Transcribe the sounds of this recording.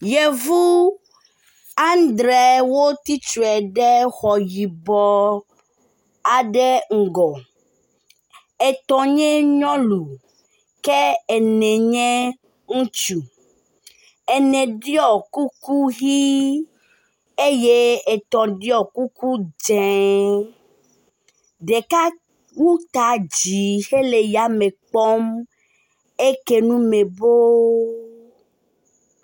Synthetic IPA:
je˨vu˦ | a˦n˦d̪ɾɛ˨wo˦t̪i˦t͡ʃu˨ɛ˨ɖɛ˦xɔ˨ji˨bɔ˦ | a˨ɖɛ˦ŋ̩˨ɡɔ˨ | e˨t̪ɔ̃˨ɲɛ̃˦ɲɔ̃˦lu˨ | kɛ˦ɛ˨nɛ̃˨ɲɛ̃˦ | ŋũ˦t͡ʃu˨ | ɛ˨nɛ̃˨ɖi˦ɔ˨ku˦ku˦ɣi˦ | e˦je˦e˨t̪ɔ̃˨ɖi˦ɔ˨ku˦ku˦d͡ʒɛ̃˨ | ɖe˨ka˦ | wu˦t̪a˨d͡ʒi˨he˦le˨ja˨mẽ˨k͡pɔ˦m | e˦ke˦nũ˦mẽ˨bo˦

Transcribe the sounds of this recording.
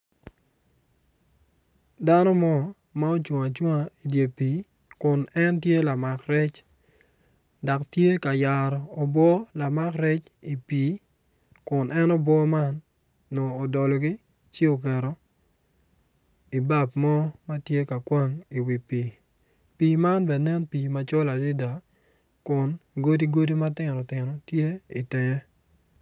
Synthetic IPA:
da˦nɔ˦mɔ˦ | ma˦o˦t͡ʃwɔ˨a˨t͡ʃwa˦a˨i˨dje˨pi˨˦ | kʊ˨nɛ˦ntje˦la˨ma˨kɾɛ˦t͡ʃ | da˨ktje˦ka˨ja˨ɾɔː˨bwɔ˦la˨ma˦kɾɛ˦t͡ʃi˨pi˨˦ | kʊ˨nʔɛ˦nɔ˦bwɔ˦ma˦nː | ɔː˨dɔ˨lɔ˨ɡɪ˦ | t͡ʃe˦o˨k̬ɛ˨ɾɔ˨ | i˨ba˦˨pmɔ˦ma˦tje˦ka˨kwa˦ŋi˨wi˨pi˨ | pi˨ma˦nbɛ˨nɛ˦npi˨ma˨t͡ʃɔ˦la˨di˦da˨ | kʊ˨nɡo˦di˦ɡo˦di˦ma˦tɪ˨nɔ˨tɪ˨nɔ˨tje˦ḭ˨tɛ˨jɛ˦

